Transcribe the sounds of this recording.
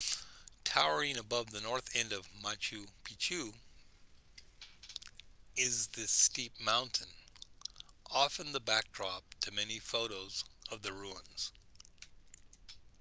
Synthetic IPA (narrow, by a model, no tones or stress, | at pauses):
tʰaʊə˞ɪ̃ŋɨbʌvðɨnɔɹθɛ̃ndʌvmat͡ʃʉpʰit͡ʃʰʉ | ɪzðɨstip̚mãʊ̃ntʰɨ̃n | ʔɑfɨ̃nðəbæk̚dɹɑp̚tʰɨmɛnifoʊɾoʊzʌvðɨɹuə̃nz̥